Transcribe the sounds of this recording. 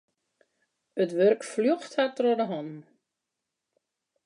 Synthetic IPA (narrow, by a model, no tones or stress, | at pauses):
ətʋørkfljoxthatrɔdəɦɔn